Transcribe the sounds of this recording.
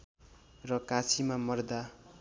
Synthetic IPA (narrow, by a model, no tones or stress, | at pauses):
rʌkat͡sʰimamʌrd̪a